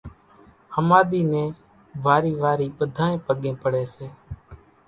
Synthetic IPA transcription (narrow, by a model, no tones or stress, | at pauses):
həmaːɗ̪iːnẽː | ʋaːɾiːʋaːɾiːɓəd̪ʱaːẽːpəɠẽːpəɽeːseː